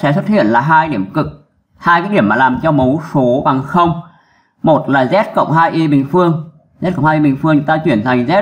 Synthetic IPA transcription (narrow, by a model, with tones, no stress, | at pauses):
sɛ̰˧˥swə˦˥t̚hḭ˧˨ənlaː˨˩ɦaː˧jɗi˧˩əmkɨ˨˩k̚ | haː˧jkaː˨˦jɗi˧˩əmːaː˨˩laː˨˩mt͡ɕɔ˧mə˨˦wso˨˦ɓa˨˩ŋxə˧wŋ͡m | mo˨˩t̚laː˨˩zɛ˦˥t̚kə̰˧˨wŋ͡mɦaː˧jʔi˧ɓï˨˩ŋ̟fɨ˧əŋ | zɛ˦˥kə˧˨ŋ͡mhaː˧i˧ɓï˨˩ŋ̟fɨ˧əŋɨ˨˦t̪aː˧t͡ɕwi˧˩ənt̪ʰa˨˩ŋ̟zɛ˦˥